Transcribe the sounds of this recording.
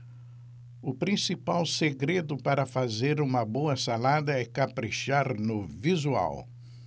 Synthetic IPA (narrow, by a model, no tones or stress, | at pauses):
ʊpɾĩsipawseɡɾed̪ʊpaɾɐfazeɾũmɐboɐsalad̪ɐɛkapɾiʃaɾnʊvizua̰w